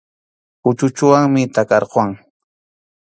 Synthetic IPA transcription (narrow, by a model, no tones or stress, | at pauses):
pʊt͡ʃʊt͡ʃʊwaŋmɪt̪akɑɾqwaŋ